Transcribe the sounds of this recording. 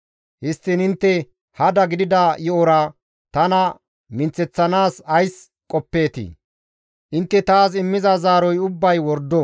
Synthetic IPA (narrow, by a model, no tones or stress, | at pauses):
hɪst̪ːɪnɪnt̪ːɛ | hɐd̪ɐɡɪd̪ɪd̪ɐjɔɔɾɐ | t̪ɐnɐ | mɪnt͡sɛt͡sːɐnaːsɐjs | kʼɔpːe̞ːt̪ḭː | ʔɪnt̪ːɛt̪aːs̬ɪmːɪzɐzaːɾɔjʊbːɐjwɔɾd̪ɔ